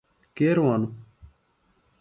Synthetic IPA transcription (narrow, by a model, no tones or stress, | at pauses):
keːɾʋaːnu